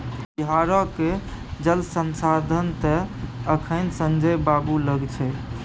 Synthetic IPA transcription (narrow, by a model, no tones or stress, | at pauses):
biɦaɾəked͡ʒəlsənsad̪ʱənt̪ɛəkʰənsə̃nd͡ʒəjbabuləɡt͡ʃʰɛ